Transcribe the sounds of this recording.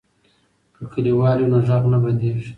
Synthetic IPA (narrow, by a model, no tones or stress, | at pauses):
kəkʰəliwɑljonaʒaɣnaband̪eʒ